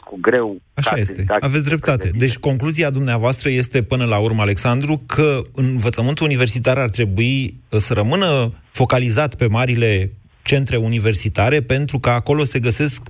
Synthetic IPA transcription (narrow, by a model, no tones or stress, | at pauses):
kuɡɾew | aʃaje̞st̪e̞aves̬ʲd̪ɾe̞p̚t̪at̪e̞d̪e̞t͡ʃʲko̞ŋkluziad̪umneavoast̪ɾəje̞st̪e̞pɨnəlaurməale̞ksand̪ɾukʰəɨnvət̪səmɨnt̪uunive̞rsit̪arart̪ɾe̞buisəɾəmɨnəfo̞kalizat̪pe̞maɾile̞ | t͡ʃe̞nt̪ɾe̞unive̞rsit̪aɾe̞pe̞nt̪ɾukəako̞lo̞se̞ɡəse̞sk